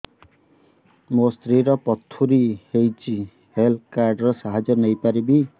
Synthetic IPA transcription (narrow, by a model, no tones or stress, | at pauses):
most̪ɾiɾɔpɔt̪ʰːuɾihejt͡ʃʰi | helkaɾɖɾɔsaɦad͡ʒɔnʌjpaɾibi